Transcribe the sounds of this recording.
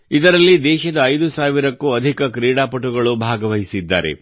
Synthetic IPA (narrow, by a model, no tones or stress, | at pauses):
id̪ɐɾɐlːid̪ɛːʃɐd̪ɐːjd̪usaːʋiɾɐkːuɐd̪ʱikɐkɾiːɽaːpɐʈuɡɐɭubʱaːɡɐʋɐɦisid̪ːa̰ːɾḛ